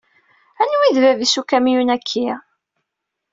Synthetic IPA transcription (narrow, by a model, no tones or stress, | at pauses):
ænwiðvævisukːæmjunækʰːi